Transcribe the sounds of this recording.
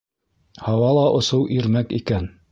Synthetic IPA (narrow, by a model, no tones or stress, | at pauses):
hɑwɑlˠɑʔŏsɤwʔiɾmækikæn